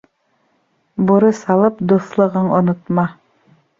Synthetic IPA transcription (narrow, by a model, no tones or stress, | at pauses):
buɾɤsɑlˠɤpd̪uθlˠɤ̆ʁɤɴŏnŏt̪mɑ